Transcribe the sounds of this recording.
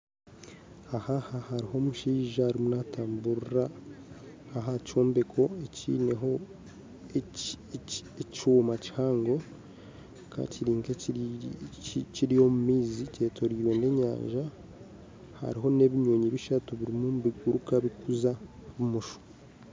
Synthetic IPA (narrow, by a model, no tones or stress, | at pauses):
ahahahaɾiho̞muʃiːʒahaɾimunataːmbuɾɾa | aɦaco̞ːmbekʰo̞ecḭːneɦo | ecoːmaci̥haːŋɡo̞ | ka̰ciɾiːŋke | ciɾijo̞mumiːzice̞ːto̞ɾiːɾwe̞nde̞ɲa̰ːɲʒa | ha̰ɾiɦo̞ne̞βiɲoːɲiβiʃatuβiɾimuβiɡuɾukaβikuzaβumuʃo̥